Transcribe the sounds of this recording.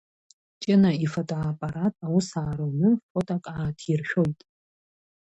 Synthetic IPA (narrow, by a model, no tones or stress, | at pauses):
t͡ʃʼɪnaifotʼoapʼaɾatʼawusaːɾownɨfotʼakʼaːtʰirʃᶣo̞jtʼ